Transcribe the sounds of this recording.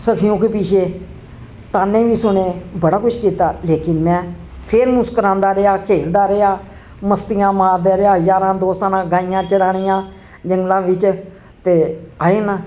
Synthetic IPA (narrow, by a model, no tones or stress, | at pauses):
səkʰɪjõːkeːpiːʃeː | t̪aːnẽːʋiːsʊɳeːbəɽaːkʊʃʰkiːt̪aːleːkɪnmɛ̃ː | pʰeːɾnũːskəɾãːnd̪aːɾɪaːkʰeːld̪aːɾəaː | məst̪ɪjãːmaːɾd̪aːɾɪaːɦəzaːɾãːd̪oːst̪anãːɡãːɪjãːt͡ʃəɾaːɽ̃ɪjãː | d͡ʒəŋɡlãːʋɪt͡ʃ | t̪eːaːeːnãː